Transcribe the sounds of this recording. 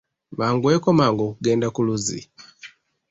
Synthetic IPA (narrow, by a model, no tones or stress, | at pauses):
βaŋɡweːkomaŋɡoːkuɡe̞ːndakuluzḭ